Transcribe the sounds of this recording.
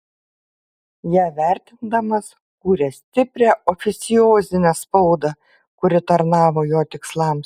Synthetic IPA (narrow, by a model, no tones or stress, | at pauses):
jæːʋʲæˑɾʲt̪ʲɪnd̪ɐmɐs | kuːɾʲɛsʲt̪ʲɪpʲɾʲæʔɔfʲɪt̪sʲɪjoːzʲɪnʲɛspɒʊd̪ɐ | kʊɾʲɪt̪ɐɾnɑːʋoːjoːt̪ʲɪkslˠɐˑms